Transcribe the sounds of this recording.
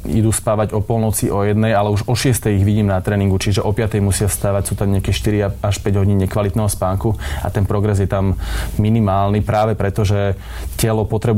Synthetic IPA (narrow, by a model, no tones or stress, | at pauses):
ḭd̪uːspaːʋaɟɔpɔlˠnɔt͡siʔɔjɛd̪nɛjalɛuʒɔʃɪɛst̪ɛjiɣʋiɟiːmnat̪ɾɛːniŋɡut͡ʃiʒɛʔɔpɪat̪ɛjmusɪast̪aːʋacsuːt̪amɲɪakɛːʃt̪iɾiaaʃpɛɟɦɔɟiːnɲɛkʋalit̪nɛɦɔspaːŋkua̰t̪ɛnpɾɔɡɾɛzjɛt̪amːinimaːlnipɾaːʋɛpɾɛt̪ɔʒɛ | cɛlɔpɔt̪ɾɛb